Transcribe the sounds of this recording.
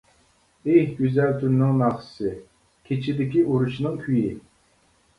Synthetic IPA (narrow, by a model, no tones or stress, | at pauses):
ehɡʲøzælt̪ʰyɾnɪŋnɑχɨ̥sɨ | kʲʰet͡ʃʰid̪ɪkʲiʔuɾuʃnɨŋkʲʰyji